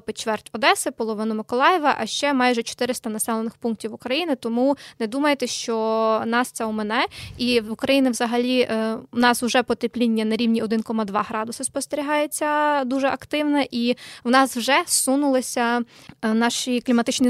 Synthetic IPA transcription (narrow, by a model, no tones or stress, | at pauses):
pɪt͡ʃʋɛrtʲɔd̪ɛsɪpɔlˠɔʋɪnʊmɪkɔlˠɑjɛʋɐʔɐʃt͡ʃɛmɑjʒɛt͡ʃɔ̥t̪ɪɾɪst̪ɐnɐsɛlˠenɪxpunk̚tʲiwukɾɐjinɪt̪ɔmunɛd̪umɐjet̪ɛʃt͡ʃɔnɑst̪sɛumɛnɛiukɾɐjinɪwzɐɦɐlʲinɑswʒɛpɔt̪eplʲinʲːɐnɐɾʲiwnʲiɔd̪ɪnkɔmɐd̪ʋɑɦɾɑd̪ʊsɐspɔst̪eɾʲiɦɑjet͡sʲːɐd̪uʒɛʔɐkt̪ɪwnɛʔiwnɑswʒɛsunʊlˠɪsʲɐ | nɑʃiklʲimɐt̪ɪt͡ʃnʲi